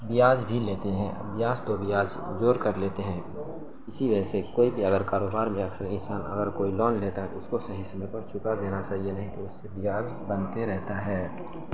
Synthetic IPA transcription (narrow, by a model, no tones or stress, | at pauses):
bɪjaːd͡ʒbʱileːt̪eɦɛ̰̃bɪjaːd͡ʒt̪obɪjaːd͡ʒd͡ʒoːɾkəɾleːt̪eɦɛ̃ː | ɪsiʋəd͡ʒsekoːibʱiɐɡəɾkaːɾoːbaːɾmẽɐkʰsəɾɪnsaːnɐ̰ɡəɾkoːilɔːnleːt̪aɦɛʊskosɐɦisəmẽpəɾt͡ʃʰʊkad̪eːnat͡ʃaːɦienɐɦĩt̪oʊsːebɪjaːd͡ʒ | bənt̪eɾɛɦt̪aɦɛː